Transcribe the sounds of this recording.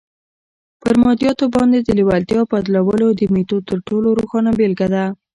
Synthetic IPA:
pəɾmɑd̪jɑt̪obɑnd̪ed̪əlɪwalt̪jɑpad̪lawəlod̪əmit̪ot̪əɾʈoloɾoxɑnabelɡad̪a

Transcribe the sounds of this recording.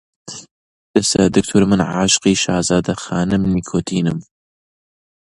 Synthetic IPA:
d̪̥ɐsɐ̰d̪ɨk̚t̪ʰʊɾmɨnʕaːʃqiːʃɑːzaːd̪ɐxaːnɨmnikʰoːt̪ʰiːnɨm

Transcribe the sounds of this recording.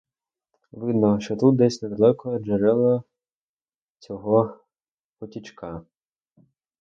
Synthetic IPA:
ʋɪd̪nɔʃt͡ʃɔt̪ut̪̚d̪ɛsʲnɛd̪ɐlˠɛkɔʒɐɾɛlˠɔ | t͡sʲɔɦɔ | pɔtʲit͡ʃkɑ

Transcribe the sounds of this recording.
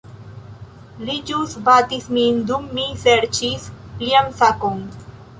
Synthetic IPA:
lid͡ʒusbat̪ismind̪umːiseɾt͡ʃis | pliamsakon

